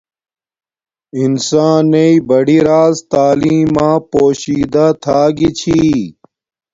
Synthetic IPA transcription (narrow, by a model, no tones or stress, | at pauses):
insaːnːeibɐɽiɾaːzt̪aːliːmãːpoːɕiːd̪at̪ʰaːɡit͡ɕʰiː